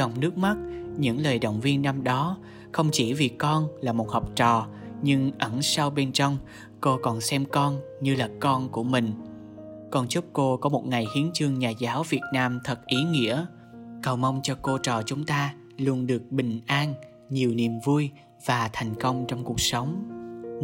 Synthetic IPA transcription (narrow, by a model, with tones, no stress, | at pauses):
zɔ˨˩wŋ͡mnɨ˦˥ək̚ma˦˥t̚ɲɨ̰˧˥ŋləː˨˩jɗə̰˨wŋ͡mvi˧ənːa˧mɗɔ˨˦ | xə˧wŋ͡mt͡ɕi˧˩vi˨˩kɔ˧nlaː˨˩mo˨˩t̚hɔ˨˩wp̚t͡ɕɔ˨˩ | ɲɨ˧ŋʔə˧˩nsa˧wɓe˧nt͡ɕɔ˧wŋ͡m | ko˧kɔ˨˩nsɛ˧mkɔ˧n | ɲɨ˧laː˨˩kɔ˧nku˧˩əmï˨˩ŋ̟ | kɔ˧nt͡ɕu˦˥p̚ko˧kɔ˨˦mo˨˩t̚ŋa˨˩jhi˨˦ənt͡ɕɨ˧əŋɲaː˨˩zaː˨˦wvi˨˩ət̚naː˧mt̪ʰə˨˩t̚ʔi˨˦ŋḭ˧˥ə | kə˨˩wma˧wŋ͡mt͡ɕɔ˧ko˧t͡ɕɔ˨˩t͡ɕʊ˨˦ŋ͡mt̪aː˧ | lu˧ənɗɨ˨˩ək̚ɓï˨˩ŋ̟ʔaː˧n | ɲi˨˩əwni˨˩əmvu˧j | v̥aː˨˩t̪ʰa˨˩jŋ̟kə˧wŋ͡mt͡ɕɔ˧wŋ͡mku˨˩ək̚sə˨˦wŋ͡m